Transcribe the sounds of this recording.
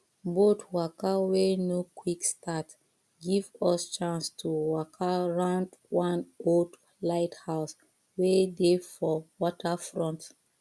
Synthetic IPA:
botwakawɛnokʰwikstʰat | ɡivɔst͡ʃãnstʰuwɔkʰaɹãʊ̃ndwãnod | laɪthaʊs | wɛdefɔwɔtʰəfɹɔ̃nt

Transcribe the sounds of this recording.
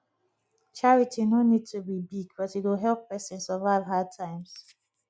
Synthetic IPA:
t͡ʃaɹitʰinonid̚tʰubibiɡbʌtitwɪlɦɛlpːɛsɪ̃nsɔvalɦad̚tʰãɪ̃ms

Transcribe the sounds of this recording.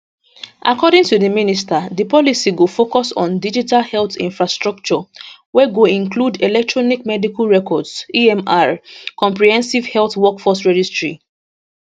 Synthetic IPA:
ʔa̰kɔdɪ̃ŋtuðəministaðəpɔlisiɡofokɔsɔ̰̃n̩did͡ʒitalhɛlθḭ̃nfɹastɹak̚t͡ʃɔwɛɡoĩŋkludelɛk̚tʰɹɔnik̚mɛdikalɹɛkɔdsiɛ̃maɹkɔ̃mpɹihɛ̃nsivhɛlθwɔkfɔsɹɛd͡ʒistɹḭ

